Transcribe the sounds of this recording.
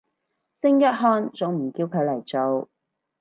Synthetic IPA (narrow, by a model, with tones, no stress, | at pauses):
sɪ˥ŋjɐ˥t̚ɦɔː˥nt͡sʊ˨˥ŋm̩˨˩kiː˧wkʰɵ˨˧ɥlɐ˨˩jt͡so˨w